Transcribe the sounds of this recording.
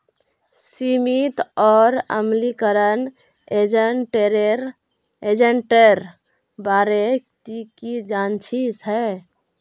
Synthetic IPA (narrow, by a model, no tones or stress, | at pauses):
simit̪ɔːɾə̰mlikəɾən | ʈɾɾ | ed͡ʒəɳʈeɾ | baɾet̪ikid͡ʒant͡ʃʰisɦɛ